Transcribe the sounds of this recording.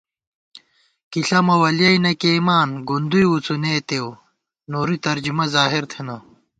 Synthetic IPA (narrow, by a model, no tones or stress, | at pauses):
kiɬɐmɐwɐljɐinɐkemaːnɡund̪ujwut͡sunet̪ew | noːɾit̪ɐɾd͡ʑumɐzaːɦiɾt̪ʰenɐ